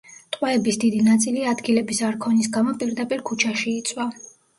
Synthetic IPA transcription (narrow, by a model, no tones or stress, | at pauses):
t̪ʼqʼwɛɛbisd̪id̪inat̪sʼiliad̪ɡilɛbisaɾkʰɔnis̬ɡamɔpʼiɾd̪apʼiɾkʰut͡ʃʰaʃiːt̪sʼwa